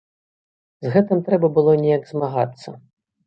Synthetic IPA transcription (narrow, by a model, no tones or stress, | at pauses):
zɣɛt̪ɨmt̪ɾɛbɐbɨlˠɔnʲɛjɐɡzmaɣa̰t̪sːɐ̰